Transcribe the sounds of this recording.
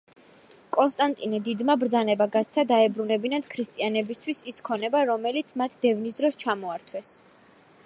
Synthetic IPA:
kʼɔnst̪ʼant̪ʼinɛd̪id̪mabɾd̪zanɛbaɡat̪st̪sʰad̪aɛbɾunɛbinat̪kʰɾist̪ʼianɛbist̪ʰwisiskʰɔnɛbaɾɔmɛlit̪sʰmat̪ʰd̪ɛvnis̬d̪ɾɔst͡ʃʰamɔaɾt̪ʰwɛs

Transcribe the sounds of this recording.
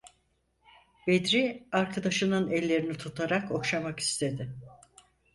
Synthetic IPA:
bed̪ɾiaɾkʰad̪aʃɯnɯnɛlʲːe̞ɾinit̪ʰut̪ʰaɾako̞kʃamaki̥st̪ʰe̞d̪ɪ

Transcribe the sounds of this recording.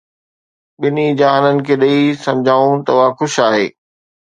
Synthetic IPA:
ɓɪnid͡ʑaːɦnənɪ̆kʰeːɗɐisɐ̃md͡ʑʱaːũt̪ɐʊɦaxʊʃaːɦeː

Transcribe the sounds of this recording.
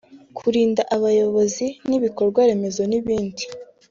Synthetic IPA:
kʰuɾiːndaʔaβajo̞βo̞ziniβiko̞ɾɡwaɾe̞me̞zo̞niβiːndi

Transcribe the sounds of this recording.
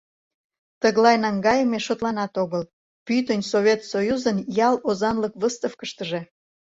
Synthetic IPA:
t̪əɣlɑjnɑŋɡɑjəmeʃot̪lɑnɑt̪oɣəl | pyt̪ənʲsoβʲet̪sojuzənjɑlozɑnləkβəst̪əfkəʃt̪əʒe̽

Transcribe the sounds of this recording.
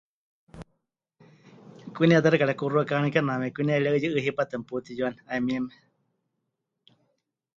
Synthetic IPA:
kʷiniat̪̬aɾɨkaɺakuruakamĩkanamɛkʷinialaɨjɨʔɨɦipat̪ɨmput̪ijuaniaimiɛmɛ̥

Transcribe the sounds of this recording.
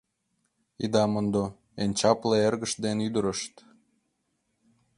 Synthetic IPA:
id̪ɑmənd̪o | ent͡ɕɑpleerɣə̆ʃd̪enyd̪əɾəʃt̪

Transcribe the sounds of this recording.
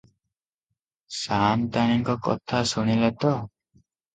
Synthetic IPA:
sant̪añiŋkɔkɔ̰t̪ʰasuɽ̃ilat̪ɔ

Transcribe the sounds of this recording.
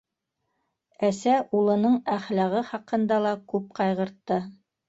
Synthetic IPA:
æsæʔulˠɤ̆nɤɴæχlæʁɤχɑqɤ̆nd̪ɑlˠɑkʉp̚qɑjʁɤ̆ɾt̪ːɤ

